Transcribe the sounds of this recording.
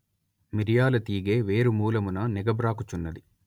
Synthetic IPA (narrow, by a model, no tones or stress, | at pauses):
miɾjaːlɐt̪iːɡeːʋe̞ːɾumuːlɐmunɐnɛɡɐbɾaːkut͡ʃunːɐd̪i